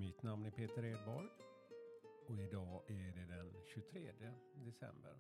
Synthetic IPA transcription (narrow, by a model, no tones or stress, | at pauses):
mɪt̪namnæɾpʰeːt̪əɾeːd̪̚bɔɾj | ɔɪd̪ɑːæɖɛd̪ɛnɕɵt̪ʰɾeːd̪jəd̪ɛsɛ̰mbə̰ɾ